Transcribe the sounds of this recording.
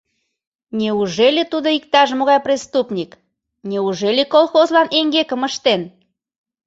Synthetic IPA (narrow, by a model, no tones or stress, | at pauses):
nʲeuʒelʲet̪ud̪oikt̪ɑʃmoɣɑjprʲest̪upnʲik | nʲeuʒelʲekolxozlɑneŋɡekəməʃt̪en